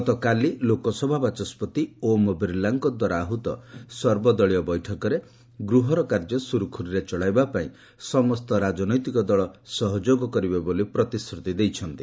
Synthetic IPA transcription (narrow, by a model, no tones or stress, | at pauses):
ɔt̪ɔkalilokɔsɔbʱabat͡ʃɔspɔt̪iomɔbiɾlaŋkɔd̪waɾaːɦut̪ɔ̰sɔɾbɔd̪ɔɭijɔbɔjʈʰɔkɔɾe | ɡɾuɦɔɾɔkaɾd͡ʒɔsuɾukʰuɾiɾet͡ʃɔɭajbapaĩ | sɔmɔst̪ɔɾad͡ʒɔnɔjt̪ikɔd̪ɔɭɔsɔɦɔd͡ʒoɡɔkɔɾibebolipɾɔt̪iskɾut̪id̪ejt͡ʃʰɔnt̪i